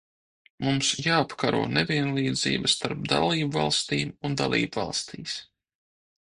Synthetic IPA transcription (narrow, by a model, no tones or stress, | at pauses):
mumsjaːapkaɾṵɔnɛvʲiɛnlˠiːd̪zḭːbast̪aɾpd̪a̰lˠiːbvɑlˠst̪iːmund̪a̰lˠḭːbvɑ̰lˠst̪iːs